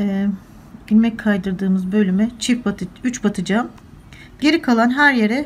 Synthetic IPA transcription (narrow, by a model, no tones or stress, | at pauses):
ɛ | ɟinmɛcʲkʰajd̪ɯɾd̪ɯːmɯzbø̞lʲymɛt͡ʃʰipbat̪yt͡ʃbat̪ʰɯd͡ʒam | ɟe̞ɾikʰalˠanɦæɾje̞ɾɛ